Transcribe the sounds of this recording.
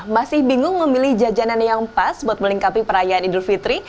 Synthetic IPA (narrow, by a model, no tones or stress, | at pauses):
masɪhbiŋʊŋməmilɪhd͡ʒad͡ʒananjaŋpasbuat̪̚məliŋkat̪ipəɾajaːnidulfit̪ɾi